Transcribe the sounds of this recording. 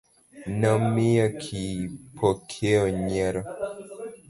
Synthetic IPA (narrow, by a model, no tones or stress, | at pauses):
nɔmiɔkʰipʰɔkʰɛɔɲɛɾɔ